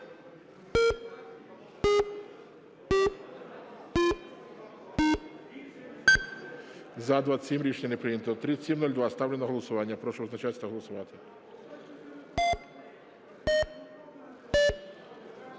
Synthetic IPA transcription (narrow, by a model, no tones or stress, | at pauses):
zɐd̪ʋasʲimɾʲit͡ʃnʲɐnɛpɾɪjimt̪ɔt̪ɾɪsʲimnɔlʲd̪ʋast̪ɑwlʲenɔɦɔlˠɔsʊʋɑnʲːɐpɾɔʃɔɔznɐt͡ʃasʲt̪ɐɦɔlˠɔsʊʋɑt̪ɪ̥